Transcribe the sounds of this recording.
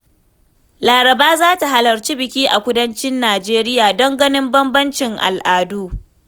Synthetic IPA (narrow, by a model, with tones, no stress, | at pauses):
laː˨ɾɐ˨baː˦zaː˦ta˨ɦa˨lɐ˨ɾt͡ʃiː˦bɪ˨kʲiː˦ʔa˨kʷʊ˦dɐ˦nt͡ʃɪ˦nːaː˨d͡ʒeː˦ɾɪ˦jaː˨dɔ˦ŋɡɐ˦nɪ˦mbɐ˦mbɐ˦nt͡ʃɪ˨ŋʔa̰˨lʔaː˨duː˦